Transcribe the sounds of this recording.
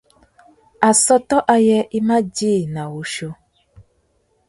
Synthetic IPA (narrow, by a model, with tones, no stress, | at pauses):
a˨sɔ˦t̪ɔ˦ʔa˧jɛ˦ʔi˦mã˦d͡ʒi˦˨nã˨wo˨ʃo˦